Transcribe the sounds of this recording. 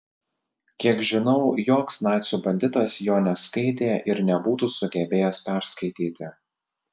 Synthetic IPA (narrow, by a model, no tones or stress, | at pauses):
kʲiɛkʒʲɪnɒʊjoːksnɑˑɪt̪sʲuːbɐnʲd̪ʲɪt̪ɐsjoːnʲɛskɐɪt̪ʲeːʔɪɾnʲɛbuːt̪uːsʊɡʲɛbʲeːjɛspʲæˑɾskɐɪt̪ʲiːt̪ʲɪ